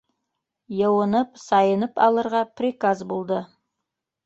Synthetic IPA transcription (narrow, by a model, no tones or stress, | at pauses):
jəwənəpsɑjənəpɑ̰lˠəɾʁɑpʰrʲikazbolˠd̪ə